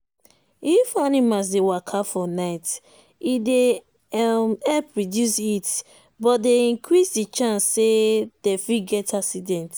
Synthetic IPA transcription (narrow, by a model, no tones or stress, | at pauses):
ifanimas̬dewakʰafɔnaɪt | ide | mɛpɹɔdjusit | bɔtdeĩŋkɹisdit͡ʃãnsːed̥efiɡɛtʰasidɛ̃nt